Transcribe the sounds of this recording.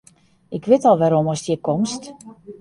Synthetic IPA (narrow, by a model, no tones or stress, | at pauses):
ʔɪkʋɪtɔlˠʋɛɾomɔsdjɪkomst